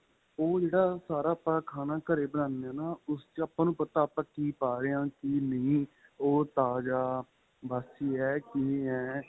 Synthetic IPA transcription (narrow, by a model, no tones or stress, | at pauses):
oːd͡ʒeːɽaːsaːɾaːpɾaːkʰaːnaːkəɾeːbənãːnaːnaːʊst͡ʃaːpːãːnũːpət̪aːpãːkiːpaːɾeːãːkinəĩː | oːt̪aːd͡ʒaː | baːsiːɛːkiːɛː